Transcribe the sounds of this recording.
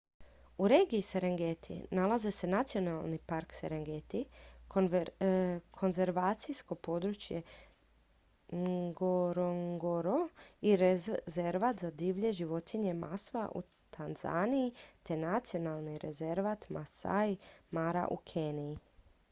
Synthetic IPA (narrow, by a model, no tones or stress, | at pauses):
uɾe̞ːɡiːseɾeŋɡet̪ʰḭnalaze̞se̞nat̪sio̞nalˠnipaɾkseɾeŋɡet̪i | kʰo̞nze̞ɾʋaːt̪sijsko̞po̞ːd̪ɾut͡ʃje̞ | ɡoɾoŋɡoɾoiɾezeɾʋat̪zad̪iːʋʎe̞ʒiʋo̞t̪ʰiɲe̞ma̰sʋa̰ʔṵ | t̪ʰanza̰niit̪e̞nat̪sio̞nalˠniɾe̞̰ze̞ɾʋat̪masa̰jmaɾa̰ʔṵkʰenii